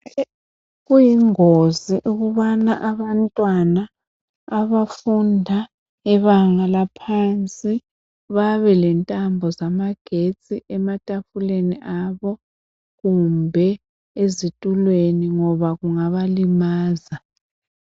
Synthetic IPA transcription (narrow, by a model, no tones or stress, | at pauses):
ɣujiŋoziʔuɣuβanaʔaβantʼwanaː | βafundʱa | ɛβaŋalapʰant͡sʼi | βaβɛlɛntʼambʱɔzamaɡ̥ʱet͡sʼiʔɛmatʼafuleniʔaβɔ | ɣumbʱɛ | ezitʼulweniŋɔβaɣuŋaβalimaːza